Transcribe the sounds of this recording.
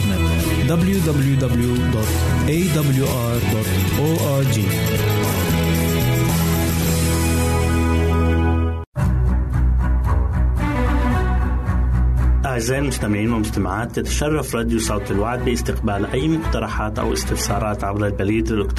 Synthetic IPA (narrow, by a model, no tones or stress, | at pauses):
net̪ | d̪abljud̪abljud̪abljud̪ɔt̪ | ʔeːd̪abljuʔɑɾd̪ɔt̪ | ʔoːʔaɾd͡ʒiː | ʔaʕzaːʔɪlmʊst̪amɪʕiːnwɪmʊst̪amaʕaːt̪ːɪt̪ḁʃɑrˤːɑfɾˤɑd̪jusˤɑwt̪ɪlwaʕd̪̚bɪʔɪst̪ɪqbaːlʔajːmʊqt̪ɑɾˤɑħaːt̪ʔa̰wʔɪ̰st̪ɪfsɑːɾˤɑːt̪ʕabɾalbaliːd̪d̪ʊkt̪